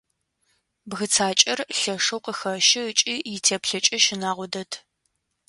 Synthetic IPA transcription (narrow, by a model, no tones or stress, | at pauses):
bɣɨt͡sʰaːt͡ʃʼɐrɬɐʂɐwqəxɐʃɪt͡ʃʼijɪtʰeːpɬɐt͡ʃʼɐʃɪnaːʁʷɔdɐtʰ